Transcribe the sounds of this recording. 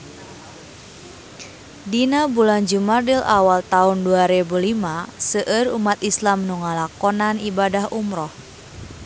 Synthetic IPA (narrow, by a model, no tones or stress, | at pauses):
dinabuland͡ʒumadila̰walt̪aunduaɾebulimasəʔərṵmat̪islamnuŋalakɔnanibadahumɾɔh